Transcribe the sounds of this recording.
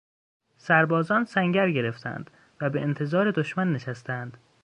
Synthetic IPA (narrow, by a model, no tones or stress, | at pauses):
sæɾbɒːzɒːnsæŋɟæɾɟe̞ɾe̞ft̪ʰæ̰nd̪̥ | væbeʔent̪ʰe̞zɒːɾe̞d̪oʃmænːeʃæst̪æænd̪̥